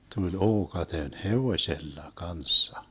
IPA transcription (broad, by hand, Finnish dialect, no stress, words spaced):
tulʲ oːkɑten heʋoĭselːɑ kɑnsːɑ